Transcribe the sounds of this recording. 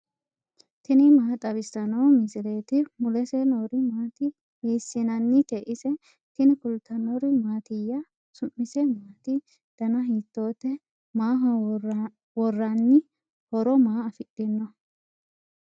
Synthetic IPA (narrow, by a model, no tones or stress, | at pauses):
t̪ɪnɪmaːt̪ʼːɐβɪsːɐnɐwmɪsɪɾe̞ːt̪ɪmʊlɛsɛnoɾɪmaːt̪ɪ | meːsːɪnɐnːɪt̪ɛʔɪsɛ | t̪ɪnɪkʊlt̪ːɐnɔɾɪmaːt̪ɪjːɐ | sʊmːɪsɛmaːt̪ɪ | d̪̥ɐnɐɦit̪ːo̞ːt̪ːɛ | maːɦɐ | wɔrːɐnːɪ | hɔɾɔmaːɐfɪɗːɪnːɔ